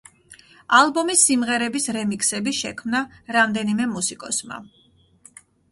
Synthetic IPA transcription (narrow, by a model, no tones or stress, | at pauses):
alˠbɔmisːimʁɛɾɛbisɾɛmiksɛbiʃɛ̰kʰmnaɾamd̪ɛnimɛmusikʼɔsma̰